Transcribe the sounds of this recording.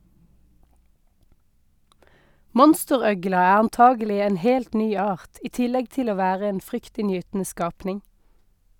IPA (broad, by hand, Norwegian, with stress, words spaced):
ˈmɔnstəˌʁœɡlɑ ˈæː ɑnˈtɑːɡəˌlɪ ˈeːn ˈheːlt ˈnyː ˈɑːʁt ˈiː ˈtɪlɛɡ ˈtɪl ˈoː ˈʋæːʁə ˈeːn ˈfʁʏktɪnˌjyːtn̩ə ˈskɑːpnɪŋ